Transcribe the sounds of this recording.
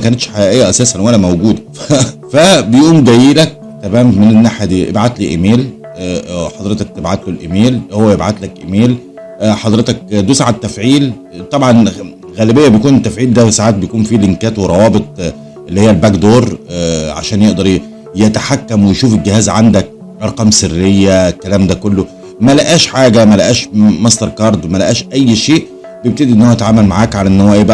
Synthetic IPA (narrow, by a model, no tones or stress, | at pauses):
kæːnet̪ʃħajæʔejːæʔæsæːsænwælæmæwɡuːd̪æfæbejʔuːnɡæjelæk̚ | t̪æmæːmmenenːaħjæd̪iːʔḛbʕat̪liʔemeːl | ħɑd̪ˤɾet̪ɑk̚t̪ebʕat̪lolʔemeːlhowːæʔebʕat̪lækʔemeːl | ħɑd̪ˤɾet̪ɑk̚d̪usaːʕat̪ːæfʕiːl | t̪ˤɑbʕɑn | ɣæːlebejːæbejkuːnet̪ːæfʕiːld̪æsaʕaːt̪̚bejkuːnfileŋkæːt̪weɾˤɑwɑːbet̪ˤ | ʔelːihejːælbækd̪oːɾˤʕa̰ʃæːnjeʔd̪ɑɾˤ | jet̪aħakːæmwejʃuːfelɡɪhæːzʕand̪æk̚ | lʔɑɾˤqɑːmserːejːæekːælæːmd̪ækolːo | mælæʔæːʃħaːɡæmælæʔæːʃmɑsˤt̪ɑɾˤkɑːɾˤd̪mælæʔæːʃʔæjːʃeːʔ | b̥eb̚t̪ed̪iʔenːohjæt̪ʕaːmælmaʕaːkʕalænːowæːʔjebæ